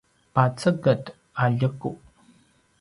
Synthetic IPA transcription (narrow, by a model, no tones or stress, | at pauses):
pat͡səɡət | aʎəkuʔ